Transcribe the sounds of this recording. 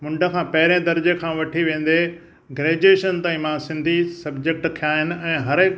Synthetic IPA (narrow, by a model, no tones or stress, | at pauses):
mʊ̃ɳɖʱə̆kʰãːpɐɦɪɾẽd̪ɐɾd͡ʑekʰãːʋɐʈʰiʋẽːn̆d̪e | ɡɾeːd͡ʑeːʃənt̪aːĩmãːsɪ̃nd̪ʱisɐbd͡ʑek̚ʈkʰːijaːɦɪnɪ̆ɛ̃ːɦɐɾɪk